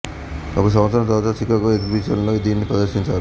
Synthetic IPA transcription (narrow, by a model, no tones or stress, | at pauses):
ɔkɐs̬ɐ̃mɐt̪sɾɐnɐt̪̬ɐɾʋaːt̪ɐt͡ʃikaːkoed̪bit͡ʃɐnlo̞ːid̪iːnːipɾɐd̪ɐɾʃiɲt͡ʃaːɾu